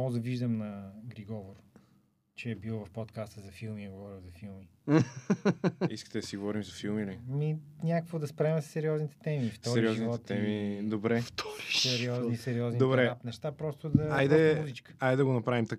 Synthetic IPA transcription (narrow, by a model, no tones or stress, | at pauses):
ɔɡd̪ɐviʒd̪əmnɐɡɾiɡɔvoɾ | t͡ʃɛɛbilˠvɐfpot̪kast̪əzɐfilˠmiɡovɔɾilˠzɐfilˠmi | iskə̥t̪ɛd̪ɐsiɡovɔɾimzɐfilˠminɐiɐminʲakəkvod̪ɐspɾɛmɛssɛɾiɔznit̪ɛ̥t̪ɛmift̪ɔsɛɾɾiɔzniɔɛt̪ɛmid̪obɾɛft̪ʰɔɾiʃssɛɾiɔznisɛɾiɔznid̪obɾɛapnɛʃt̪apɾɔst̪ʊd̪ɐajd̪ɛmuzit͡ʃkə̥ajd̪ɐɡonɐpɾavimt̪ɐ